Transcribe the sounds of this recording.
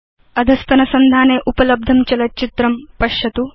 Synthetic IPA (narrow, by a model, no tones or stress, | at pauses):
ɐd̪ʱɐst̪ɐnɐsɐnd̪ʱaːneːʔupɐlɐb̚d̪ʱɐmt͡ʃɐlɐt͡ʃit̪ɾɐmpɐʃjɐt̪u